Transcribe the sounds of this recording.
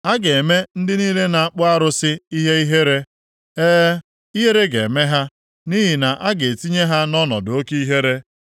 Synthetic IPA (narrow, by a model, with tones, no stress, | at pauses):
a˦ɡe˨e˨me˦n̩˦dɪ˦niː˦le˦na˨a˨k͡pʊ˦a˦ɾʊ˦sɪ˦i˦ɦe˦i˦ɦe˦ɾe˦ | eː˦ | i˦ɦe˦ɾe˦ɡḛ˨me˦ɦa˦ | ni˦ɦi˨na˨ʔa˦ɡe˨ti˦ɲe˦ɦa˦nɔ˦nɔ̰˨dʊ˨o˦ki˦i˦ɦe˦ɾe˦